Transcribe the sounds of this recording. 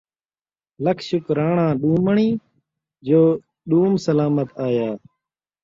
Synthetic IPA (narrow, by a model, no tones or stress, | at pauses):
ləkʰʃʊkɾaːɳãːɗuːməɳiː | d͡ʒoː | ɗuːmsəlaːmət̪aːjaː